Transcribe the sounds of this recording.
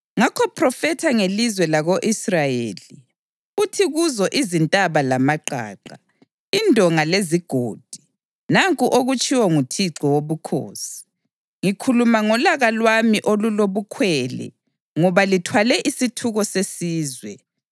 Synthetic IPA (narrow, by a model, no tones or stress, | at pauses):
ŋakʰɔpʰrɔfɛtʰaŋelizwɛlaɣoʔisrajḛːli | utʰiɣuzɔʔizintʼaβalamaǃʱa̰ːǃa | indʱɔŋaleziɡ̥ʱoːd̥ʱi | naŋkʼuʔoɣut͡ʃʼiwɔŋutʰiǀɔwoβukʰo̰ːsi̥ | ŋikʰulumaŋɔlaɣalwamiʔoluloβukʰwɛlɛ̰ | ŋɔβalitʰwalɛʔisitʰuɣɔsesiːzwɛ